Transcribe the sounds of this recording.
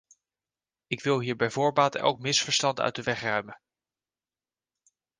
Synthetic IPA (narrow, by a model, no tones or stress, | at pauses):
ɪkʋɪlˠɦiːɹbɛjvʊːɹbaːtɛ̰lˠk̚mɪsfəɹstɑntœ̰ɥt̚dəʋɛχrœɥmə